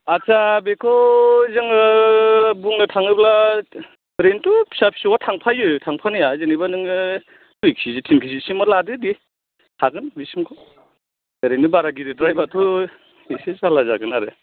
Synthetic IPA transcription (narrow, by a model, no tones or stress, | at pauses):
at͡ʃabekʰɔzɯŋɯ | buŋnɯtʰaŋɯbla | ɾentupʰi̥sapʰi̥sɔwatʰaŋpʰajɯjtʰaŋpʰanɯjazɯnibanɯŋɯ | tujkʰsizitʰinkʰisisimɔladɯdi | haɡɯnbisimkʰɔ | eɾenɯbaɾaɡiɾidɾajbatʰɔ | isesalaza̰ɡɯnaɾɯ̰